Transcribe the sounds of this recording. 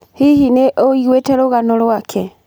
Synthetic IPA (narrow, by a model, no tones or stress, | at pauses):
hihineʔoiɣwetɛɾoɣanolwakʰɛ